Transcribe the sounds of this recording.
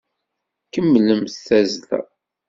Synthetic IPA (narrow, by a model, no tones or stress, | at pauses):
kəmːləmθθæzlæ̰